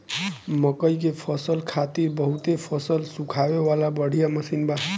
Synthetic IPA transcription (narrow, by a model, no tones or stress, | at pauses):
məkəjkepʰəsəlkʰat̪iɾbəɦut̪epʰʌsəlsukʰawewalabəɽ̤ʱijaməsinba